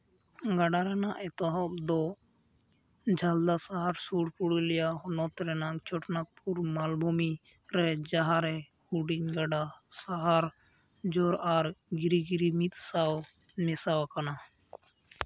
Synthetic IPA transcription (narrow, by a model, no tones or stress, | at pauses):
ɡaɖaɾɛnaʔɛt̪ɔɦɔp̚d̪ɔ | d͡ʒʱald̪asaɦaɾsuɽpuɽilɛjaɦɔnɔt̪ɾɛnakt͡ʃʰɔʈnak̚puɾmalbʱumi | ɾɛd͡ʒaɦaɾɛ | uɖiɲɡaɖasaɦaɾ | d͡ʒɔɾaɾɡiɾiɡiɾimit̪̚saw | mɛsawkana